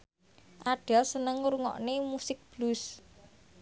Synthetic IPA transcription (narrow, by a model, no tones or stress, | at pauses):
ʔaɖ̥ɛ̤lsənəŋɾuŋɔ̰ʔnemusɪk̚b̥lus